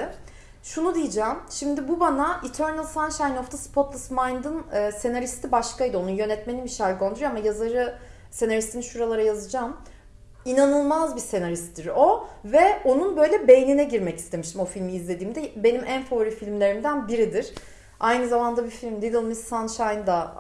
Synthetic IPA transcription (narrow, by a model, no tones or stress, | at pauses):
ʃunud̪ijid͡ʒaːmʃimd̪ibubanaʔit̪ʰøɾnɯlˠsanʃajnoft̪ʰaspʰot̪lˠɯsmajnd̪ɯnːse̞naɾist̪ʰibaʃkajd̪ɯo̞nunjø̞nɛt̪me̞nimiʃalʲɡo̞nd̪uɾujoamajazaɾɯ | se̞naɾist̪ʰiniʃuɾalˠaɾajazɯd͡ʒaːm | inanɯlˠmazbise̞naɾist̪d̪iɾo̞vɛo̞nunbø̞jlʲɛbe̞jninɛɟiɾmɛci̥st̪ʰe̞miʃt̪imo̞filʲmiizlʲe̞d̪iːmd̪ɛbe̞nimʔænfoːɾifilʲmlʲe̞ɾimd̪ænbiɾid̪iɾ̥ | ajnɯzamand̪abifilʲmd̪id̪ilˠmizsanʃajnd̪a